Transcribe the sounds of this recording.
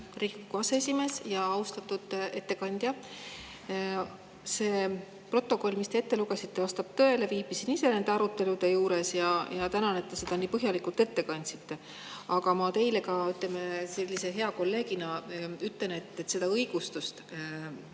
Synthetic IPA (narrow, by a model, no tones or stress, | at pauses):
rikikːuɑseesʲime̞ːsjɑɑust̪ɑt̪ːud̪̥e̞t̪ːe̞kɑnʲd̪̥jɑ | se̞ | pro̞t̪ˑːo̞kˑo̞lʲmist̪e̞et̪ːeluɡ̥e̞sit̪ːe̞vɑst̪ɑb̥̚t̪ø̞ele̞viːbisinise̞ne̞nd̪eɑɾut̪ːˑe̞lud̪̥e̞juːɾe̞sjɑjɑt̪ænɑne̞t̪ːe̞se̞d̪ɑniːpɤɦjɑlikˑult̪ːˑe̞t̪ːe̞kɑnʲsi̥t̪ːe̞ | ɑɡɑmɑt̪e̞jle̞kɑyt̪ˑlemese̞lʲːise̞ɦe̞ɑko̞lːe̞ːɡinɑyt̪le̞ne̞t̪ːˑet̪ːse̞d̪ɑɤjɡ̥ust̪ust̪